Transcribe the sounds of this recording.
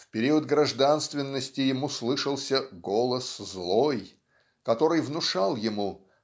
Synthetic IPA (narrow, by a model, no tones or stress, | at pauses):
fpʲɪɾʲiəd̪̚ɡɾɐʐd̪anst̪vʲɪnːəsʲtʲɪjɪmuslˠɨʂəlˠsʲəɡo̞lˠəszlˠo̞j | kɐt̪o̞ɾɨjvnʊʂalˠjɪmu